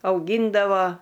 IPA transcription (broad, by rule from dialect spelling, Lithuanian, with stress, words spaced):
ɐʊˈɡʲiːndɐʋoː